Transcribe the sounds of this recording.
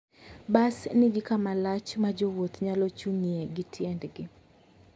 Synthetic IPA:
basnɪɡɪkamalat͡ʃmad͡ʒowot̪ɲalɔt͡ʃuŋieɡɪtʰjɛndɡɪ

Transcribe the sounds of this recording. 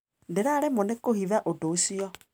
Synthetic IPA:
ndeɾaɾɛmonekohiðaʔodoːsiɔ

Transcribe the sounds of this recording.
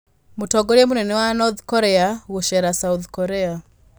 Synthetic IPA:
mutɔɡɔɾemunɛnɛwanɔðkɔɾɛaɣuʃɛɾasauðkɔɾɛa

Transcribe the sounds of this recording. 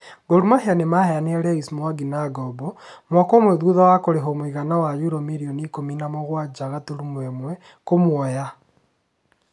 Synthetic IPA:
ɡoɾumaheanemahɛaneɛɾɛismwaɡinaɡɔbɔmwakɔmwɛðuðawakoɾeɦɔmoiɣanawajuɾɔmiɾiɔnikominamɔɣwad͡ʒaɣatoɾumwɛmwɛ | komwɔja

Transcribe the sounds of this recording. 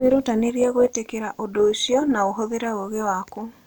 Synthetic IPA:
eɾotaneɾiaɣwetekeɾaʔodosiɔnaoɦoðeɾaoɣewaku

